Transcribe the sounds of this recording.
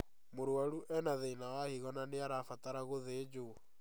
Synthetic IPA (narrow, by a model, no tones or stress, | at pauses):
moɾwaɾuʔɛnaðeinaɣahiɣɔnaneaɾafataɾaɣoðed͡ʒo